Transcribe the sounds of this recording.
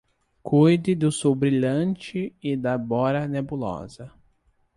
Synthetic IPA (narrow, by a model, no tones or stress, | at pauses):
kʰujd̪ɪd̪ʊsowbɾiʎɐ̃t͡ʃɪɪd̪ɐbɔɾɐnebulɔ̰zɐ